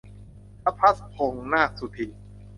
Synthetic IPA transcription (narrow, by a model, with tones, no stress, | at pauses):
tʰa˦˥pʰa˦˥s̚pʰo˨˩˦ŋnaː˥˩su˨˩t̪ʰi˨˩n